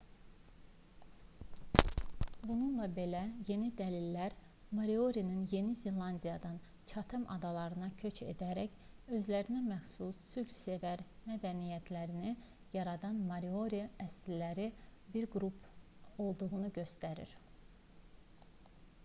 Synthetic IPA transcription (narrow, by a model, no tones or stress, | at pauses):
bununlˠɑbe̞læje̞nid̪ælilːæɾ | mɑɾio̞ɾinɯnje̞nizelɑnd̪ijɑd̪ɑn | t͡ʃʰɑt̪ʰɯmʔɑ̰d̪ɑlˠɑɾɯnɑcʰø̞t͡ʃe̞̰d̪æɾæç | ø̞zlæɾinæmæxsusːylfse̞væɾmæd̪ænijæt̪ʰlæɾini | jɑɾɑd̪ɑnmɑɾio̞ɾiæsllæɾibiɾɡɾupʰo̞lˠd̪uʁunuɟø̞st̪æɾḭɾ